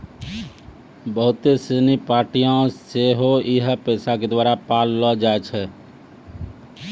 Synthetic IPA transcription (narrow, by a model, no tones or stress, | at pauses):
bəɦʊt̪ːesenipaːɾʈijãseɦoɪɦpɛːsaked̪waːɾapaːlːɔd͡ʒaːet͡ʃʰɛ